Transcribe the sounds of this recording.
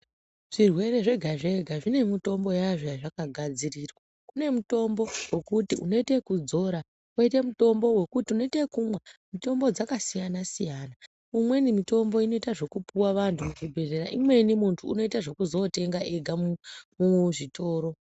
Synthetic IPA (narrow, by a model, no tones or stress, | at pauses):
ʐ̥irwe̞ɾe̞ʐe̞ɡʱaʐe̞ɡʱaʐine̞mito̞mbo̞jaʐojaʐakaɡʱad͡zirirwa | kune̞muto̞mbo̞we̞kutiuno̞ite̞kud͡zo̞ɾa | woite̞muto̞mbo̞we̞kutiuno̞ite̞kumwamito̞mbo̞d͡zakasijanasijana | umwe̞nimito̞mbo̞ino̞itaʐo̞kupuwaʋantʰumukubʱe̞reɾaʔimwe̞nimuntʰuːno̞itaʐo̞kuzo̞te̞ŋɡaʔe̞ɡʱamumuʐito̞ːɾo̞